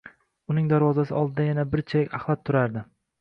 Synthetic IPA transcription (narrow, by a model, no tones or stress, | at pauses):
ʊnɪŋd̪aɾvɒzasɪɒlˠd̪ɪd̪ajanabɪɾt͡ʃʰajɪkʲaχlˠat̪ʰːʊɾaɾd̪ɪ